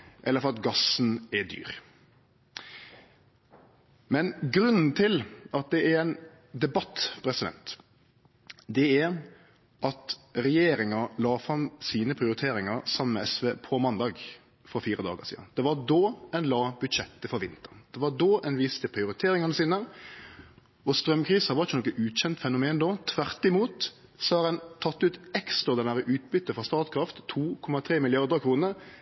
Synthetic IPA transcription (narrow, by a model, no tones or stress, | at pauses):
ʔɛlːəɾfɔɾɑt̪ɡɑsn̩ɛd̪y̰ːɾ | mɛnɡɾʉnn̩t̪ʰɪlʔɑt̪̚d̪ɛæɾæɪn | d̪ɛbɑt̪ːpʰɾɛsɪd̪ɛ̰nt̪ | d̪ɛæɾ | ʔɑt̪ɾɛjeːɾɪŋɑlɑːfɾɑmsiːnəpʰɾɪʊɾɪt̪ʰeːɾɪŋɑɾsɑməmɛɛsʋeːpʰɔmɑnd̪ɑːɡ | fɔfiːɾəd̪ɑ̰ːɡəsḭːd̪ɑ̰nd̪ɛʋɑd̪oːɛnlɑːbʉd̪ɕɛt̪ːəfɔɾʋɪnt̪əʁnd̪̥ɛʋɑɖ̪oːʔɛnʋiːst̪əpʰɾɪʊɾɪt̪ʰeːɾɪŋɑnəsiːnə | ɔst̪ɾœmkʰɾiːsəhɑʋɑɾɪçːənɔkːənʉːɕɛnt̪fɛnʊmeːnd̪oːt̪ʰʋæʁt̪ɪmuːt̪ | sɔhɑɾɛnt̪ʰɑt̪ːʉːt̪ɛkst̪ɾɑd̪ɛnæɾəʔʉːt̪̚bʏt̪ːəfɔst̪ɑːt̪kʰɾɑft̪ʰːuːkʰɔmɑt̪ʰɾeːmɪlɪɑʁd̪əɾkʰɾuːnəɾ